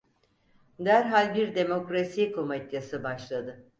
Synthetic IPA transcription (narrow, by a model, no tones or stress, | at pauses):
d̪æɾɦalʲbiɾd̪e̞mo̞kɾasikʰo̞mat̪jasɯbaʃlˠad̪ɯ